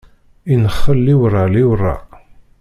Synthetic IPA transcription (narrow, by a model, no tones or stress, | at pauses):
inəχːəlːiwərˤaliwərˤːɑ̰